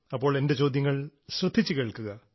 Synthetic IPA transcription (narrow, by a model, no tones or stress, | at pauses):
ɐpːo̞ːɭende̞t͡ɕo̞ːd̪jɐŋːɐɭɕrɐd̪ʱːit͡ɕːɨkeːɭkuɣɐ